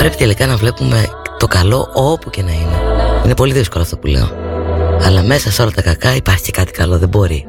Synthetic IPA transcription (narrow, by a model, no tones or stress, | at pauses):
pɾe̞pit̪e̞likɐnɐvle̞pume̞t̪o̞kɐlo̞ʔopuce̞nɐine̞̰ine̞po̞liðisko̞loːft̪opulḛo̰ɐlɐme̞sɐseo̞lɐt̪ɐkɐkɐipɐɾçi̥ce̞kɐt̪i̥kɐlo̞ðe̞bo̞ɾi